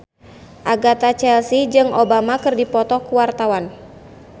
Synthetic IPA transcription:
ʔaɡat̪at͡ʃɛlsid͡ʒɨŋʔobamakɨrdipɔt̪ɔhkuwart̪awan

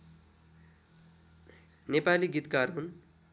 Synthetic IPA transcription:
nepaliɡit̪kaɾɦun

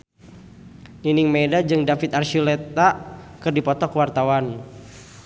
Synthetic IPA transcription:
ninɪŋmɛdad͡ʒɨŋdafit̪̚arʃilɛt̪akɨrdipɔt̪ɔkwart̪awan

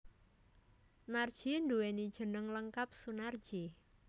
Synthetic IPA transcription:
nard̥ʒ̥induwenid̥ʒ̥ə̤nəŋləŋkap̚sunard̥ʒ̥i

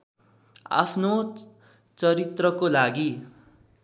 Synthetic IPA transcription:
a̰pʰno | t͡sʌɾit̪rʌkolaɡi

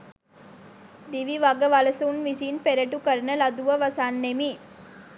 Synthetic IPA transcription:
d̪iʋiʋaɡəʋaləsunʋisiːnpeɾeʈukəɾnəlɐd̪uʋəʋɐsaːnːemi

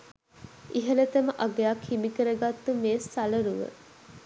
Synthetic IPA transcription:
iɦələt̪əməʔaɡeakʰːimikəɾəɡat̪ːumeːsːaləɾuʋə̰

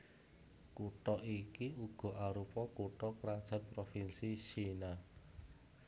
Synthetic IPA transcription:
kuʈɔʔikiuɡ̥ɔ̤ʔaɾupɔkuʈɔkɾad̥ʒ̥a̤t̪̚pɾofinsit͡ʃina

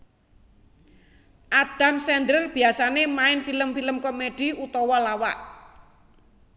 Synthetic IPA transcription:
ʔad̪̥a̤msɛnd̪ɾərb̥i̤asanemaɪnfiləmfiləmkomed̥iut̪ɔwɔlawa̰ʔ

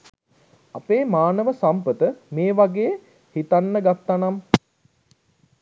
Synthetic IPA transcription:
apeːmaːnəʋəsampət̪əmeːʋaɡeː | hit̪anːəɡat̪ːanam

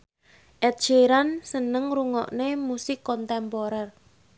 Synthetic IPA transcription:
ʔɛt̪̚d͡ʒeɾansənəŋɾuŋɔ̰ʔnemusɪkːɔnt̪ɛmpɔɾɛr

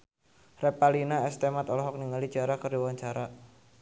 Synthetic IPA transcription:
rɛpalinaɛst̪emat̪ɔlɔɦɔk̚niŋali̥d͡ʒ̥aɾakəriwaɲt͡ʃaɾa

